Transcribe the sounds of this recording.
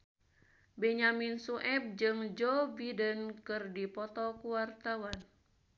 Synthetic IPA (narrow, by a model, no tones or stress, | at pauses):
bɛɲaminsuʔɛb̚d͡ʒɨŋd͡ʒɔbidənkɨrdipɔt̪ɔkuwart̪awan